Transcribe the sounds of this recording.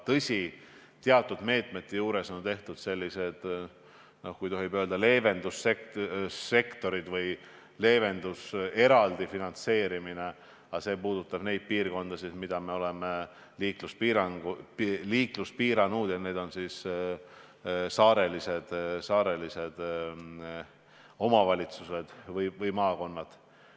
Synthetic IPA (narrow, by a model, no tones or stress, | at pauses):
t̪ɤsʲi | t̪eɑt̪ːˑud̪̥me̞ːt̪ˑmet̪ːejuːɾe̞so̞nt̪e̞ht̪ud̪̥se̞lʲːise̞d̪̥ | no̞hkujt̪o̞ɦibøːld̪ɑle̞ːve̞nd̪̥usekː | e̞kt̪o̞ɾid̪̥vɯj | le̞ːve̞nd̪use̞ɾɑld̪̥ifinɑnt̪se̞ːɾimine̞ | ɑse̞ːpuːd̪̥ut̪ːˑɑb̥ne̞jd̪̥̚piːrko̞nd̪̥ɑsismid̪̥ɑme̞o̞le̞me | liːkluspiːɾɑŋɡuliːkluspiːɾɑnuːd̪̥ɑneːd̪̥o̞nsiːs | sɑːɾe̞lise̞d̪̥sɑːɾe̞lise̞d̪̥ | o̞mɑvɑlʲit̪suse̞d̪̥vɯjvɯjmɑːko̞nːɑd̪̥